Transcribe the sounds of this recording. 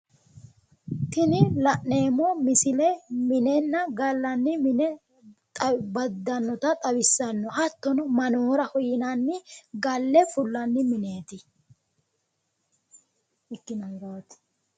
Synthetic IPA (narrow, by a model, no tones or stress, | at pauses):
t̪ɪnɪlɐʔne̞ːmɔmɪsɪlɛmɪnɛnːɐɡɐlːɐnːɪmɪnɛ | t̪ʼbɐd̪ːɐnːɔt̪ɐt̪ʼɐwɪsːɐnːɔhɐt̪ːɔnɔmɐnoːɾɐhɔjɪnɐnːɪɡɐlːɛfʊlːɐnːɪmɪneːt̪ɪ | ɪkːɪnɐhɪɾaːt̪